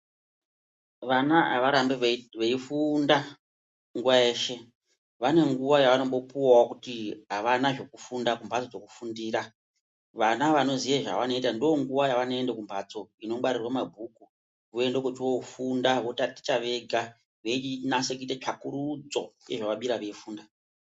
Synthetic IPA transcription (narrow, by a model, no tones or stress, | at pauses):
ʋanaa̰ʋaɾambeʋeifunda | ŋɡuwaeːʃe̞ | ʋane̞ŋɡuʋajaʋano̞mbo̞puwawokutiɦaʋanaʐo̞kufundakumbʱat͡so̞d͡zo̞ku̥fundiːɾa | ʋanaʋano̞zijeʐa̰ʋano̞itandioŋɡuʋajaʋanoe̞ndekumbʱat͡so̞ino̞ɓaɾirwamabʱuku | ʋue̞ndekut͡ʃiwoufundaʋotati̥t͡ʃaʋe̞ɡʱa | ʋeinasek̬uitet͡ʃakuɾud͡zo̞jeʐaʋaɓiɾaʋe̞ifuːnda